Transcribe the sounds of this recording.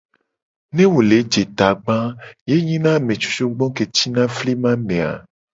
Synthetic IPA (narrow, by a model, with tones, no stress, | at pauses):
nẽ˦wo˨le˨˦d͡ʒe˨t̪a˨ɡ͡bã˦je˦ɲĩ˦nã˦˨mẽ˨t͡ʃu̥˦t͡ʃo˦ɡ͡bɔ̃˦ke˨t͡ɕi˦nã˦fli˦mã˦mẽ˨a̰˨